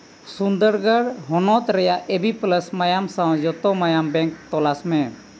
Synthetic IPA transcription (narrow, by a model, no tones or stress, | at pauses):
sund̪əɾɡəɾɦɔnɔt̪ɾɛjaʔʔebipləsmajamsad͡ʒɔt̪ɔmajambɛŋk̚t̪ɔlasmɛ